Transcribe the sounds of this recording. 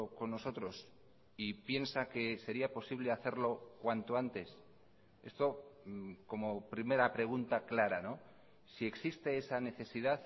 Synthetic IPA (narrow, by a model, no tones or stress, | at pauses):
oko̞nːo̞so̞t̪ɾo̞s | ipje̞nsake̞se̞ɾiapo̞siβ̞le̞aθe̞ɾlo̞kwant̪o̞ant̪e̞s | e̞̰st̪o̞ | ko̞mo̞pɾime̞ɾapɾe̞ɣ̞unt̪aklaɾano̞ | sie̞ksist̪e̞esane̞θe̞siðaθ